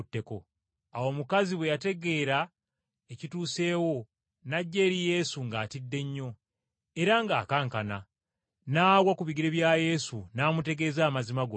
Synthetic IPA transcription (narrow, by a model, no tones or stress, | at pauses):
tːe̞ko̞ | awo̞mukaziβwe̞jate̞ɡe̞ɾa | ecituːse̞ːwo̞ | naɟːe̞ːɾije̞suŋɡatidːe̞ɲːo̞ | e̞ɾaŋɡaːkaːŋkana̰ | naːwakuβiɡiɾeβjaje̞sunaːmute̞ɡe̞ːzaːmazimaɡo